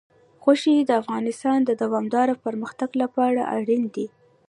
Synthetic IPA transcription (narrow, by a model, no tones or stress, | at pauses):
xoʃid̪əafɣɑnɪst̪ɑnd̪əd̪awɑmd̪ɑɾapəɾməxt̪aɡlapɑɽa̰ʔa̰ɽind̪i